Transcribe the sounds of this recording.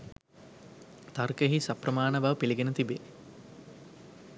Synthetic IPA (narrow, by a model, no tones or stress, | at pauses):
t̪ɐrkəɦisɐprɐmaːnəbaʋpiliɡenət̪ibe